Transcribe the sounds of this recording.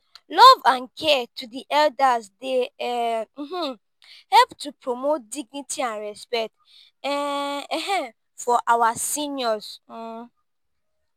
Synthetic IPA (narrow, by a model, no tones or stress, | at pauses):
lɔvãnkʰɛtudiʔɛldazde | m̩ɦ̩ | hɛlptupɹomot̚diɡ̚nitiãnɹɛspɛk̚t | ɛɛɦɛ̃ | fɔʔawasĩnjɔz̩